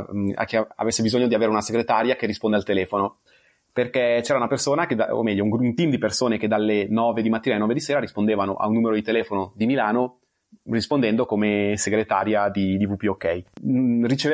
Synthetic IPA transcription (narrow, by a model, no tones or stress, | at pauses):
a̰kːea̰vesːebizoɲːod̪iaveːɾeunaseɡɾet̪aɾjakerːispond̪ealt̪elɛːfono | perkɛt͡ʃɛːɾaunapersoːnaked̪a̰o̰mɛʎːouŋɡɾunt̪imd̪ipersoːneked̪alːenɔːved̪imat̪ːiːnalenɔːved̪iseːɾaɾispond̪eːvano̰ʔa̰unːuːmeɾod̪it̪elɛːfonod̪imilaːno | rispond̪ɛnd̪okomeseɡɾet̪aːɾjad̪id̪ivupiokɛjrit͡ʃeve